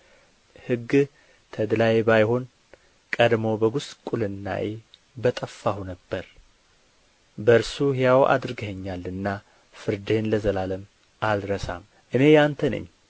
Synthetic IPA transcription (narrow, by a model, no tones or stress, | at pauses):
hɨɡ | t̪ʰəd̪lajebajho̞n | kʼəd̪mo̞bəɡʊst̪ʼkʼulɨnːa̰ʔe | bət̪ʼəfːahunəbːəɾ | bəɨɾsuhɪjawʔa̰d̪ɾɡəhəɲːalːɨnːa | fɨɾd̪e̞nləzəlaləm | ʔalɾəsa̰m | ʔɨne̞jant̪ʰənə̰ɲː